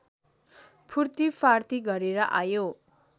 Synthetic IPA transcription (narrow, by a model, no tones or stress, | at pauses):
pʰurt̪ipʰart̪iɡʌɾeɾʌʔajo